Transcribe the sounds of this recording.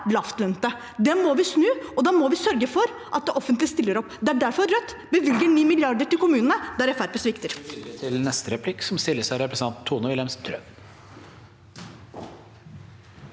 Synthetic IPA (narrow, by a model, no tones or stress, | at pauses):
lɑft̪lœnt̪ə | d̪ɛmɔʋɪsnʉːɔd̪ɑːmɔʋɪsœɾɡəfɔɾ | ʔɑt̪̚d̪ɛʔɔfənt̪lɪəst̪ɪlːəɾɔpːd̪ɛæɖæɾfɔɾːœt̪ː | bəʋʏlɡəɳiːmɪljɑɖ̪əʈɪlkʰʊmʉːnənəd̪æɾɛfæɾpɛsʋɪkt̪əɾt̪ʰɪlnɛst̪əɾɛpʰlɪkːsɔmst̪ɪlːəsæɾɛpɾəs̩ɑnt̪ʰːuːnəʋɪlɛmst̪ʰɾœ̰ʋ